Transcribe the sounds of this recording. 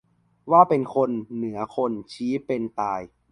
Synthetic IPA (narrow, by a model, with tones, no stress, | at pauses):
waː˥˩pe˧nkʰo˧nːɯ˩˦ɐkʰo˧nt͡ɕʰiː˦˥pe˧nt̪aː˧j